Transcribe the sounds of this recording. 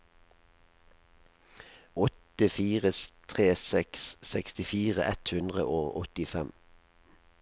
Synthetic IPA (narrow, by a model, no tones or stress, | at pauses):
ɔt̪əfiːʁəst̪ʰʁeːsɛkssɛkst̪ɪfiːʁəʔɛt̪hʉnd̪ʁə̰ʔoːʁɔ̰t̪ɪfɛm